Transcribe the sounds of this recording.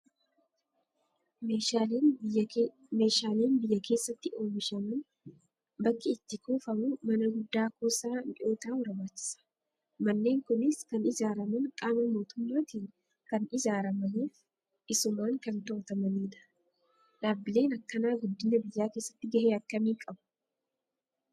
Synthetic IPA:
me̞ːʃaːleːnbɪjːɐkʰe̞ːsːɐt̪ːɪo̞ːmɪʃɐmɐn | bɐkːɪɪt̪ːɪkuːfɐmʊmɐnɐɡʊd̪ːaːkoːsaːnᶑɪo̞ːt̪aːwɐɾɐbaːt͡ʃːɪ̥sɐ̥ | mɐnːe̞ːŋkʊnɪskɐnɪzaːɾɐmɐnkʼaːmɐmo̞ːt̪ʊmːaːt̪iːn | kɐnɪzaːɾɐmɐneːf | ʔɪsʊmaːŋkɐnt̪oːt̪ɐmɐniːᶑ̪ɐ̥ | ᶑaːbːɪle̞ːnɐkːɐnaːɡʊd̪ːɪnɐbɪjːaːke̞ːsːɐt̪ːɪɡɐheːɐkːɐmiːkʼɐbʊ̥

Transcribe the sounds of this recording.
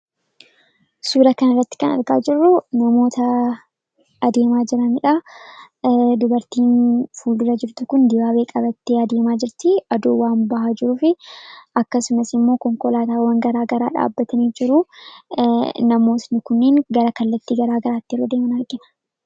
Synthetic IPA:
suːɾɐkɐnɐrːɐt̪ːɪ̥kɐnɐ̰ɾɡa̰ːd͡ʒɪrːʊnɐmo̞ːt̪ɐ | ɐd̪e̞ːmaːd͡ʒɪɾɐnɪᶑa | d̪ʊbɐɾt̪iːnfuːld̪ʊɾɐd͡ʒɪɾt̪ʊkʊnd̪ɪbaːbe̞ːkʼɐbɐt̪ːeːɐd̪e̞ːmaːd͡ʒɪɾt̪ɪɐd̪uːwaːmbɐhad͡ʒɪɾʊːfɪʔɐkːɐsʊmɐsɪmːo̞ːkɔŋkɔlaːt̪aːwɐŋɡɐɾaːɡɐɾa̰ːᶑa̰ːbːɐt̪ɐniːd͡ʒɪɾʊ | nɐmo̞ːt̪nɪkʊnːeːŋɡɐɾɐkɐlːɐt̪ːiːɡɐɾaːɡɐɾaːt̪ːɪɾoːd̪eːmɐnɐɾɡɪnɐ̥

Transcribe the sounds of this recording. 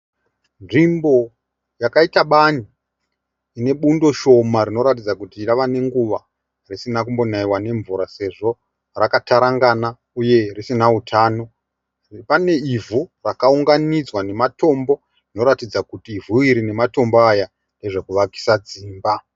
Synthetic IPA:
nʐimbo̞ | jakaitaɓani | ine̞ɓundo̞ʃo̞maɾino̞ɾatid͡zakutiraʋane̞ŋɡuʋa̰ | risinakumbo̞naiwane̞ɱvuɾase̞ʐo̞ | rakataɾaŋɡana | uje̞risinautʰaːno̞ | pane̞ivʱurakauŋɡanid͡zwane̞mato̞mbo̞ | rino̞ɾatid͡zakutiːvuiɾine̞mato̞mboaja | ne̞ʐe̞kuʋaki̥sad͡ziːmba

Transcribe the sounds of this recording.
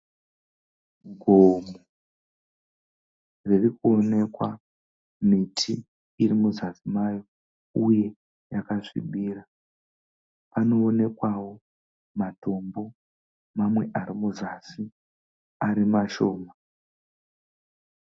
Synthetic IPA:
ɡʱomo | ririkuone̞kwa | mitʰiː | rimuzasimajo | uje̞ | jakaʂḭɓiːra | pano̞ːne̞kwawo̞ | mato̞mbo̞ | mamwe̞ʔaɾimuzasi | aɾimaʃoːma

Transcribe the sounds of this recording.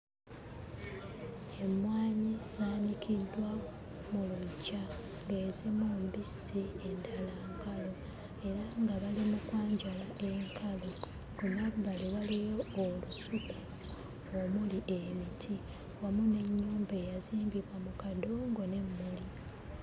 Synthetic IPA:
e̞mwaːɲizaːnikʰidːwa | muluɟːa | ŋɡeːzimombisiendalaŋkalo | e̞ɾaŋɡaβalimukwaːɲɟalaʔe̞ŋkʰalo | kumaβbaliβalijo̞ːlusuku | omuliʔemitʰi | wamune̞ɲːuːmbe̞ːjaziːmbiβwamukadoŋɡo̞ne̞mːuli

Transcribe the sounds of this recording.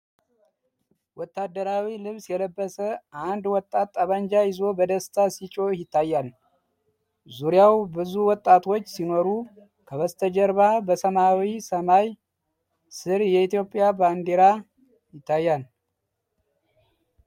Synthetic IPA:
wɔt̪ːad̪ːəɾawilɨβsjɛləbːəsəʔand̪wɔt̪ʼːat̪ʼːaβaɲd͡ʒajɪzo̞bəd̪əst̪ʰasit͡ʃʼo̞jɪt̪ʰːajːal | zuɾjawbɨzuwɔt̪ʼːat̪ʰo̞t͡ʃːsino̞ɾu | kʰəβəst̪ʰəd͡ʒəɾβabəsəmawisəmaj | sɨɾjɛit̪jo̞pʼːjaband̪eɾa | jɪt̪ʰːajːal

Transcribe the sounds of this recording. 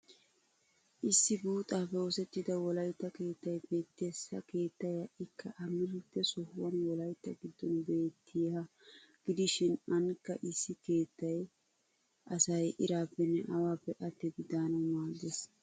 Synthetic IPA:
ʔɪsːɪbuːt̪ʼaːpːɛoːsɛt̪ːɪd̪ɐwɔlɐjt̪ːɐke̞ːt̪ːɐjbe̞ːt̪ːesɐke̞ːt̪ːɐjɐʔɪkʰːɐʔɐmɪlɪt̪ːɛsɔhʊwɐnwɔlɐjt̪ːɐɡɪd̪ːɔnbe̞ːt̪ʰːɪjɐ | ɡ̥ɪd̪ɪʃɪnɐnkːɐ̰ʔɪsːɪke̞ːt̪ːɐj | ʔɐsɐjʔɪɾaːpːɛnːɛʔɐwaːpːɛʔɐt̪ːɛɡɪd̪aːnɐmaːɡes

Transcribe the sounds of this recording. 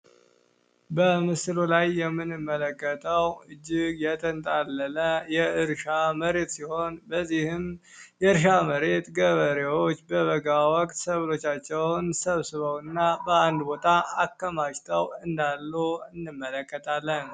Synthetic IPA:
bəmɨslulajːɛmːɨnɨmːələkʼːət̪ʰʼəwɨd͡ʒːɪɡjɛt̪ʼʰənt̪ʼalːənəjɛɨɾʃaməɾe̞t̪siho̞nbəzːihɨm | jɛɨɾʃaməɾe̞t̪ɡəβəɾewo̞t͡ʃːbəβəɡawɔkʼt̪səβlo̞t͡ʃːat͡ʃːɛwnsəβsɨβəwɨnːabəand̪bo̞t̪ʰʼaakːəmaʃt̪ʰəwɨnd̪alːuɨnːɨmːələkʼːət̪ʰʼalːən

